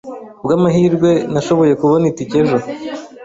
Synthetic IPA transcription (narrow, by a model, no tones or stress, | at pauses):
bɡaːmaɦiːɾɡwe̞naʃo̞βo̞je̞kuβo̞nitice̞ʒo